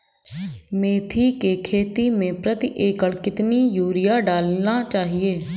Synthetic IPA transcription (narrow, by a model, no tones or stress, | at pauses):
mẽːt̪ʰiːkeːkʰeːt̪iːmẽːpɾət̪ɪʔeːkəɭkɪt̪niːjuːɾɪjaːɖaːlnãːt͡ʃaːɦieː